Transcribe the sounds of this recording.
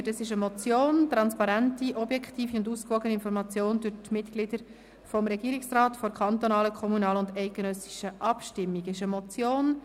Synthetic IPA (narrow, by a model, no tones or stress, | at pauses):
təsɪʃəmɔt͡sjoːntɾɑnspɑɾæntiʔɔbjɛkχtiːfiʊnduːskʋɔɡəniɪnfɔɾmɑt͡sjoːnd̥ʉɾtmɪtklɪdəɾ | fɔmɾɛɡiːɾiksrɑːtfɔɾkʰɑnt̪ɔnɑːləkʰɔmunɑːlʊndɛɪt̚ɡ̥ənœsi̥ʃəʔɑpʃtɪmːiɡɪʃəmɔt͡sjoːn